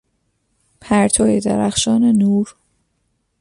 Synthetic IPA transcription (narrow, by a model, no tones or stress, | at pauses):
pʰæɾt̪ʰɒːjed̪æ̰ɾæxʃɒːnenuːɾ